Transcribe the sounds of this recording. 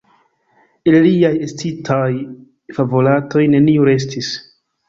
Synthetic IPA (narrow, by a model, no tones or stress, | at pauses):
illiajestitʰaj | favolato̞jne̞niuɾe̞s̬tʰis